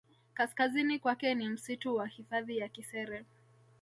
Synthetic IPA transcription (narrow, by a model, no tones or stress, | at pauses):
kaskazinikwakɛnim̩situwahifaðijakisɛɾɛ